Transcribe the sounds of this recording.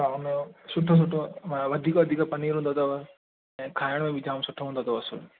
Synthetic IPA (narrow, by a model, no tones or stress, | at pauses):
aʊnsʊʈʰːõs̬ʊʈʰːõʋɐd̪ʱiːkoʋɐd̪ʱiːkapɐniːɾɦũːnd̪ot̪oʋ | ɛ̃ːkʰaːjəɽ̃mẽʋɪd͡ʒʱaːmsʊʈʰːoɦũnd̪ot̪oʋɐsul